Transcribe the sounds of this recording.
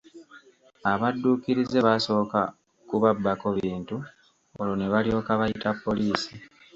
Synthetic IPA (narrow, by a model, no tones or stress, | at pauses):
aβadːuːkiɾize̞βaso̞ka | kuβabːako̞βiːntu | oloneβalio̞ːkaβajitapːo̞liːsi